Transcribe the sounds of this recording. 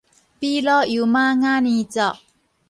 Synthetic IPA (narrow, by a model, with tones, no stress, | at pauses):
pi˦lɔ˦ju˨ma˦ŋa˦nit͡sɔ˨ʔ